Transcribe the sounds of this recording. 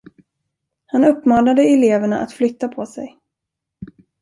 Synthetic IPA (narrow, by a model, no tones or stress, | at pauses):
hanɵpːmɑːnad̪əɛleːvəɳaʔa̰t̪flʏt̪ːapʰɔsɛ̰j